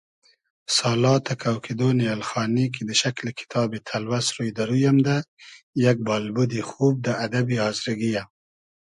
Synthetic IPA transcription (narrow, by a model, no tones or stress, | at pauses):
sɑlɑt̪ʰakʰawked̪onialxɑnik̬id̪əʃaklekʰɪ̥t̪ʰɑbet̪ʰalwasɾujd̪aɾujamd̪ajaɡ̚bɑlbud̪ixub̚d̪əad̪abiɑzɾɪɡija